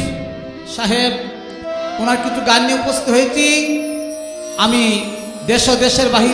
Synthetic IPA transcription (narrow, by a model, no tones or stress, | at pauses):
ʃaɦeb | unaɾkit͡ɕʰuɡanːiupost̪it̪ɦojet͡ɕʰi | ami | d̪eʃod̪eʃeɾbaɦi